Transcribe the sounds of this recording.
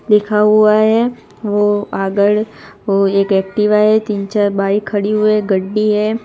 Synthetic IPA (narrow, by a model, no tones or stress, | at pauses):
d̪ɪkʰaɦʊaɦɛ | ʋoaːɡəɽʋoeːkɛːk̚ʈɪʋaɦɛt̪iːnt͡ʃaːɾbaːikʰɐɽiɦʊeɡɐɽbiɦɛ